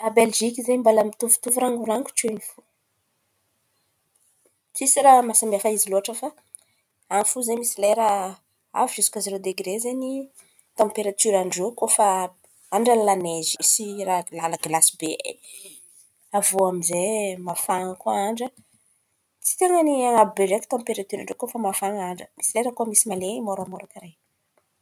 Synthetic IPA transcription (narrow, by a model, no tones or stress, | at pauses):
abelʒikizembalamit̪uvu̥t̪uvuɾaŋuɾaŋku̥t͡ʃenifu | t͡sisiɾamasambiafaiziloaʈ͡ʂəfa | anfuzemisileɾa | a̰vizukazeɾod̪eɡɾezeni | t̪ãpeɾat̪yɾaɳɖ͡ʐokofa | aɳɖ͡ʐanlaneziisiralaləɡlasibe | avuamizemafaŋəkuaɳɖ͡ʐə | t͡si̥t̪eŋəniaŋabubeɾeki̥t̪ãpeɾat̪yɾaɳɖ͡ʐokofəmafaŋaɳɖ͡ʐəmisileɾəkumisimaleɲimoɾamoɾakaɾe